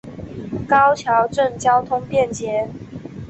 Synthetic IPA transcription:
kɑ˦ʊt͡ɕʰjɑ˨˥ʊʈ͡ʂə˥˨ŋt͡ɕjɑ˥ʊt̪ʰʊ˥ŋpjɛ˥˨nt͡ɕjɛ˨˥˦

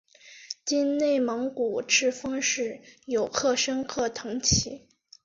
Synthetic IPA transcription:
t͡ɕi˥nne˥˩ɪmɑ˧˥ŋku˨˩ʈ͡ʂʰɻ̩˥˩fɑ˥ŋʂɻ̩˥˩jo˨˩ʊkʰɤ˥˩ʂə˥nkʰɤ˥˩t̪ʰɤ˧˥ŋt͡ɕʰi˧˥

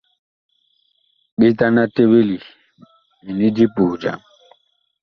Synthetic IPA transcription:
ɓe˦ta˦na˦te˦we˦li˨ | mi˨ni˦di˦pu˨d͡ʒa̰˨m

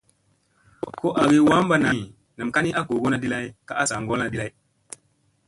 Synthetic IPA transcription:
ko˦ʔa˨ɡi˦wa˦mba˦na˨ | na˨mka˦ni˦ʔa˦ko˨ɡo˦na˨di˦la˦jka˦ʔa˦sa˨ŋɡo˦lna˨di˦la˦j

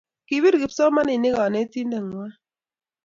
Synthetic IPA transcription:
ki˨wi˦ɾɡɪ˨psɔ˦ma˦nɪ˨nɪ˦kɔ˨ne˦t̪i˦nde˨ŋwa˦

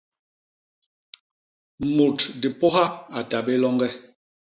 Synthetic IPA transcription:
mo˨tdi˨pɔ˦ha˦a˨ta˨be˦lɔ˦ŋɡɛ˦

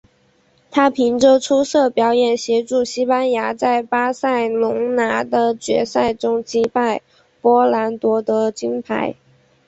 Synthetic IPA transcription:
t̪ʰa˥pʰi˧˥ŋʈ͡ʂɤ˥ʈ͡ʂʰu˥sɤ˥˩pjɑ˧˥ʊjɛ˨˩nɕjɛ˧˥ʈ͡ʂu˥˩ɕi˥pa˥nja˧˥t͡sa˥˩ɪpa˥sa˥˩ɪlʊ˧˥ŋna˧˥d̪ə˧t͡ɕɥɛ̰˧˥sa˥˩ɪʈ͡ʂʊ˥ŋt͡ɕi˥pa˥˩ɪ | pwɔ˥la˧˥nt̪wɔ˧˥t̪ɤ˧˥t͡ɕi˥ŋpʰa̰˧˥ɪ

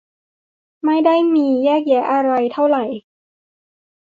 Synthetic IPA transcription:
ma˥˩jda˥˩jmiː˧jɛː˥˩k̚jɛː˩˦ʔa˧ɾa˧jt̪ʰa˥˩wɾa˨˩j

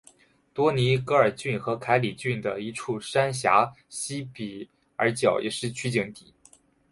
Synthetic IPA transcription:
t̪wɔ˥ni˧˥kɤ˧˥ə˞˨˩t͡ɕy˥˩nxɤ˧˥kʰa˧˥ɪli˨˩t͡ɕy˥˩nd̪ə˩i˧˥ʈ͡ʂʰu˥˩ʂa˥nɕja̰˧˥ | ɕi˥pi˨˩˦ | ə˞˧˥t͡ɕjɑ˨˩ʊjʔɛ̰˨˩ʂɻ̩˥˩t͡ɕʰy˥t͡ɕi˧˥ŋt̪ḭ˨˩˦

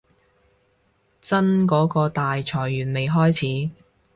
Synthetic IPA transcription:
t͡sɐ˥nkɔː˨˥kɔː˧t̪aː˨jt͡sʰɔː˨˩jːyː˨˩nme˨jɦɔː˥jt͡sʰiː˨˥

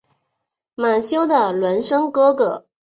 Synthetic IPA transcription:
ma˨˩nɕjo˥ʊd̪ə˨lwə˧˥nʂɤ˥ŋkɤ˥kɤ˨˩˦

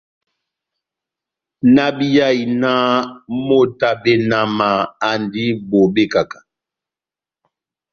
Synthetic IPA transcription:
na˦bi˦ja˦˨i˨na˦mo˦˨ta˦be˦na˨ma˨a˨ndi˦bo˨be˦˨ka˨kḁ˨

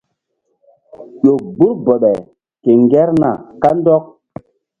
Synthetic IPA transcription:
ʄo˨ɡ͡bu˦ɾbɔ˨ɓɛ˨ | ke˨ŋɡɛ˦ɾna˨ka˦ndɔ˦k̚

